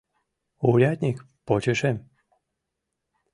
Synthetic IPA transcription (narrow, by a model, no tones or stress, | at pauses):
uɾʲat̪ʲnʲik | pot͡ɕeʃem